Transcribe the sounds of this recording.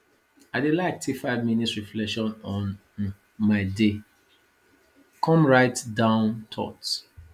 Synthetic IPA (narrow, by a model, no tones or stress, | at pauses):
aɪdelaɪk̚tʰifaɪvminitɹiflɛʃɔ̃nɔ̃n | maɪde | kʰɔ̃mɹaɪtdãʊ̃ntʰɔ̰t